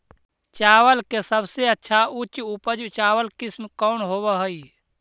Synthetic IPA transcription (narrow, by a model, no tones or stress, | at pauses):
t͡ʃaːwəlkesəbseətːʃʰaut͡ʃupəd͡ʒt͡ʃaːwəlkismkɔːnɦoːbəɦəi